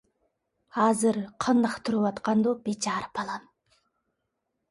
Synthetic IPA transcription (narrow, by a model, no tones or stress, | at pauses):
ɑzɨɾqʰənd̪ɑqt̪ʰʊɾɯwɑt̪qɑnd̪obet͡ʃɑɾpɑlˠɑm